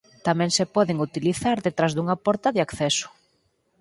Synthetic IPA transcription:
t̪amɛ̃ŋsepɔðɪŋut̪iliθaɾðet̪ɾazðuŋɐpɔɾt̪ɐðɪakθɛsʊ̥

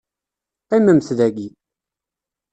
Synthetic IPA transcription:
qiməmθðæɡi

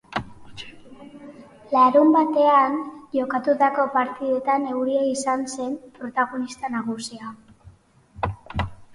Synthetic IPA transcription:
laɾumbat̪e̞anʝo̞kat̪ut̪ako̞paɾt̪iðe̞t̪ane̞wɾiaisanse̞mpɾo̞t̪aɣo̞nist̪anaɣusia

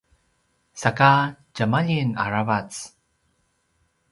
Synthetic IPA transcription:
sakad͡ʒamaʎina̰ɹavat͡s

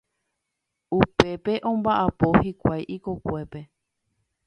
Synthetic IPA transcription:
upe̞pe̞ʔõ̞mbaʔapo̞hikʷajʔikokʷe̞pe̞

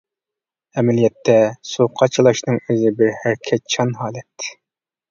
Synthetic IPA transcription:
ɛmɛlijɛt̪ʰːɛsuqʰɑt͡ʃʰilˠɑʃnɨŋøzɪbɪɾhæɾkʲʰɛt̪̚t͡ʃʰɑnɦɑːlɛt̪

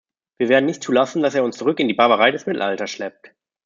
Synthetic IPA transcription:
viːɐveːɐdn̩nɪçtt͡suːlasn̩daseːɐʊnst͡suʁ̞ʏkɪndiːbaɐvəʁ̞aɪdɛsmɪtl̩altɐsʃlɛp̚t

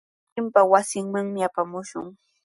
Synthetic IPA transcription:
ɪmpawasɪŋmaŋmɪapamʊʃʊ̰ŋ

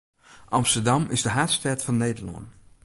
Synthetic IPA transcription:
ʔɑmstəɹdɑmɪ̰zdəɦaːtstɛɹtfɑnːejdəɹlɑ̰n

